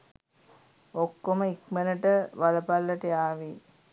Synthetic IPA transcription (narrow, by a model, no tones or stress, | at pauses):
okːoməikmənəʈəʋaləpalːəʈəjaːʋi